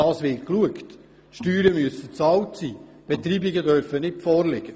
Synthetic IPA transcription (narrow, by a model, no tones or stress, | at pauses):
ɑːsʋɪt̚kluəkt | ʃtyːɾəmyəsət͡sɑːwtsiː | b̥ɛt̪ɾiːbɪɡədœɾfənɪtfɔːɾlɪɡ̥ə